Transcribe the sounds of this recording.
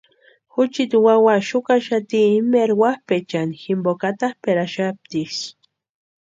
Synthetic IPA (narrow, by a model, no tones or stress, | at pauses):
xut͡ʃit̪iwawaʃukaʃat̪iːmeɾwahpet͡ʃanximbokat̪ahpeɾaʃap̚t̪is